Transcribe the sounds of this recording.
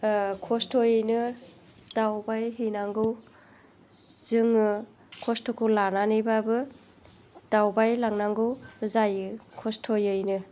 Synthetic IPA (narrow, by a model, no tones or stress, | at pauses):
kʰɔstʰojɯjnɯ | tawbajɦijnaŋɡɯw | z̥ɯŋɯ | kʰɔstʰokʰɯwlananɯjbabɯ | d̥awbajlaŋnaŋɡɯwzajɯkʰɔstʰojɯjnɯ